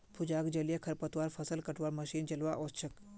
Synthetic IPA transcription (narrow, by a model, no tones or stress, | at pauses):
pʰud͡ʒaːɡd͡ʒɐljəkʰəɾpət̪ʋaɾfʰəsəlkəʈʋaɾməʃiːnd͡ʒɐlʋaʔɔtt͡ʃʰək